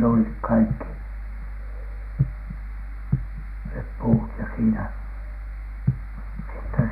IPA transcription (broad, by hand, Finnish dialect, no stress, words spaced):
tulik kɑikːi nep puːt jɑ siːnæ sitːe